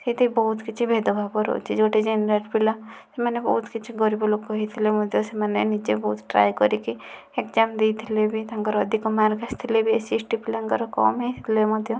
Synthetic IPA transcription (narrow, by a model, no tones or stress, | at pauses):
set̪ibɔɦut̪kit͡ʃʰibʱed̪obʱabɔɾo̰t͡ʃʰid͡ʒoʈed͡ʒenɾeʈpilasemanebɔ̰ɦut̪kit͡ʃʰiɡɔɾibolokːɔɦit̪ʰilemɔd̪ʱjosemanenit͡ʃebɔɦut̪ʈɾa̰ːjkɔɾiki | ekd͡ʒamd̪ijt̪ʰilebit̪aaŋkɔɾɔd̪ʱikɔmaɾkast̪ʰilebʱiesisʈipilaŋkɔɾɔkɔ̰mɦet̪ʰilemɔd̪ʱjo